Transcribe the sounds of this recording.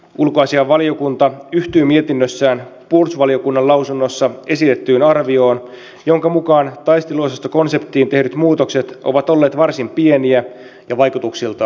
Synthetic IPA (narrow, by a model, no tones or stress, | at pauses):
ulkoɑsiɑʋʋɑlio̞kunt̪ɑyht̪yːmie̞t̪inːøsːæːnpursʋɑlio̞kunːɑlɑwsunːo̞sːɑe̞sit̪e̞t̪ːyːnɑrʋio̞ːn | jo̞ŋkɑmukɑːnt̪ɑjst̪iluosest̪oko̞nse̞pt̪ːiːnt̪e̞hnyt̪muːt̪o̞kse̞t̪ʔoʋɑt̪o̞lːeːt̪ʋɑrsimpie̞niæ | jɑʋɑjkut̪uksilt̪ɑ